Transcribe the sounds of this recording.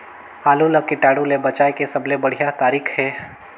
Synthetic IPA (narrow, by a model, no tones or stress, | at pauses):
aːlũləkɪʈaːɽũlebɐt͡ʃaːekesɐblebɐɽ̤ijat̪aːɾiːkʰɦɛː